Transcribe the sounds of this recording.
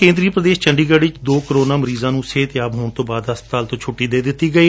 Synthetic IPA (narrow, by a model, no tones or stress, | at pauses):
kẽːnd̪ɾiːpɾəd̪eːʃt͡ʃəɳɖiːɡəɖʋɪt͡ʃd̪oːkəɾoːnãːməɾiːzãːnũːseːt̪ːaːbɦoːɳt̪õːbaːd̪ɦəspət̪aːlt̪õːt͡ʃʰʊʈːiːd̪eːd̪ɪt̪ːiːɡəiː